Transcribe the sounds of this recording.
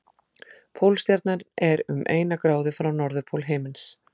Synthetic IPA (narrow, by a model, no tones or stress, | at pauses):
pʰoːwlst̪jaɾt̪naɾɛɾʏ̰mʔḛːjnakɾaːwðɪfɾawnɔɾðʏpʰowlɦeːmɪns